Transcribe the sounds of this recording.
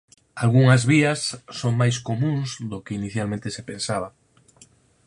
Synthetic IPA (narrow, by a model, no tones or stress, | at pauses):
alɣuŋɐzβiɐsːoŋmajskomũŋsðokɪiniθjalmẽnt̪esepẽnsaβ̞ɐ